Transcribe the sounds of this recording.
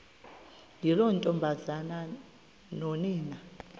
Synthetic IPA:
lilɔntʼɔmbʱazana | nɔniːna

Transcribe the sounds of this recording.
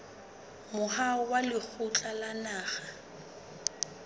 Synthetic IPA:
mʊhaʊwalɪk͡xʰʊt͡ɬʼalanaːχa

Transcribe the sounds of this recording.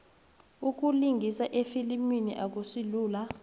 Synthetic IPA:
uk̬ʼuliŋɡʱisaʔefiliminḭʔak̬usiluːla

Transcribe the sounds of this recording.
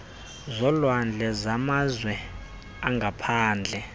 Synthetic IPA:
zɔlwand͡ɮʱɛzamazwɛ | aŋɡapʰaːnd͡ɮʱɛ

